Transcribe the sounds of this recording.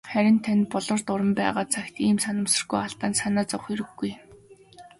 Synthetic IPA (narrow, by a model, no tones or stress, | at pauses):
χæɾʲɪ̆nt̪ʰanʲpɔɮɞ̆rt̪ʊɾə̆mpæ̰ːʁaːt͡sʰaxt̪iːmsanə̆msə̆rɡujaɬt̪aːnsanaːt͡sɔwχiɾɘ̆ɡːuj